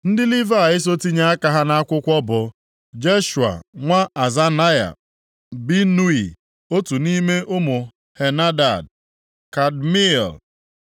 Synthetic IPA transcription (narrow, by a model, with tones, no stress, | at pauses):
n̩˦dɪ˦li˦va˦a˨ɪ˦s̬o˦ti˦ɲa˦a˦ka˨ɦa˦na˦a˦kʷʊ˦kʷɔ˦bʊ˨ | d͡ʒe˦ʃu˨a̰˨ŋʷa˦a˨za˦na˦ja̰˨ | bi˦nu˦i˨ | o˦tu˨ni˦me˦ʔʊ˦mʊ˨ | he˨na˦da˨d̚ | ka˨d̚mḭ˦˨l